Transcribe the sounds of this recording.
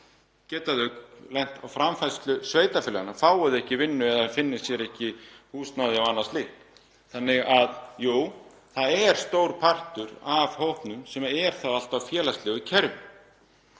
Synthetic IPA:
cɛːt̪aðœklɛjn̥t̪awfɾamfajst̪lʏsveːjt̪afɪːlanafaːwʏðɪɛhcɪvɪnːʏɛðaafɪnːɪ̥sjɛɾɛhcɪhuːst̪naðɪawanːast̪ɪhp | θanːɪɣaðjuː | θaðɛɾ̥st̪oːwɾpʰar̥t̪ʏɾavhowhpnʏmsɛmɛɾ̥θawal̥t̪awfjɛːlast̪lɛɣʏcʰɛɾvʏ

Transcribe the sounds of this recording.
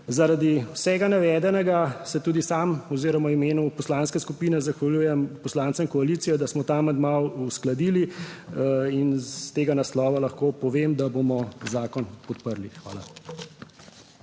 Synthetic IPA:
zaɾad̪iwsɛɡanaʋɛːd̪ɛnɛɡasɛt̪uːd̪isaːmɔziːɾɔmaimeːnupɔslaːnskɛskupiːnɛzaxʋaljuːjɛmpɔslaːnsɛinkɔaliːt̪sijɛd̪asmɔt̪aːmɛd̪mawusklad̪iːli | inst̪eːɡanaslɔːʋalɐxkopɔʋemd̪abomɔzaːkɔnpɔt̪pəɾlixʋa̰ːla̰

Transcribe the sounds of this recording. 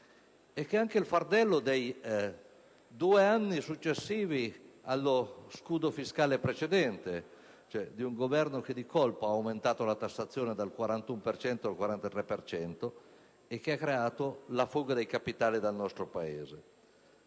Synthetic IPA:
ɛkːeaŋkeilfard̪ɛlːod̪ej | d̪uːeanːisut͡ʃːesːiːvialːoskuːd̪ofiskaːlepɾet͡ʃed̪ɛnt̪e | t͡ʃoɛd̪iuŋɡovɛrnok̟ed̪ikolpoaːwment̪aːt̪olat̪asːat̪sːjoːned̪alkwaɾant̪umpert͡ʃɛnt̪oalkwaɾant̪at̪ɾɛpert͡ʃɛnt̪o | ekːeakːɾeaːt̪olafuɡad̪ejkapit̪aːlid̪alnɔst̪ɾopaeːze

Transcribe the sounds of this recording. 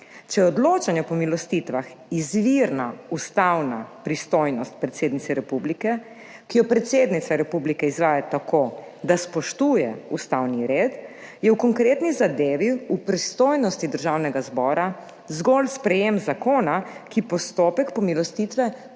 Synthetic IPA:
t͡ʃɛjɛɔd̪loːt͡ʃanjɛpɔmilɔst̪it̪ʋaxizʋiɾnaust̪awnapɾist̪ojnɔst̪̚pɾɛt̪seːd̪nit̪sɛɾɛpublikɛ | kijɔpɾɛt̪sed̪nit̪sʋaɾɛpublikɛizʋaːjat̪akʰo | d̪aspɔʃt̪uːjɛust̪awniɾeːt̪jɛwkɔŋkɾeːt̪nizad̪eːʋiupɾist̪oːjnɔst̪id̪əɾʒawnɛɡazbɔːɾa | zɡɔlspɾɛjemzakoːnakipɔst̪oːpɛkpɔmilɔst̪it̪ʋɛ

